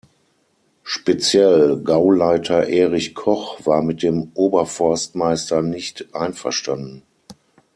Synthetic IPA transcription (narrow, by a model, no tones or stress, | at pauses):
ʃpet͡sjɛlɡaʊlaɪtʰɐʔɛːʁɪçkʰɔχv̥aːɐmɪt̚d̥eːmʔoːbɐfɔɐstmaɪstɐnɪçtʔaɪnfɛɐʃtandn̩